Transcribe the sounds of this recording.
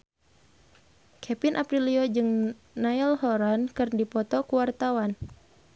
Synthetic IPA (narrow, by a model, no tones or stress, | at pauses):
kʰɛpinʔapɾiliod͡ʒɨŋ | naɛlhɔɾankɨrndipɔt̪ɔkuwart̪awan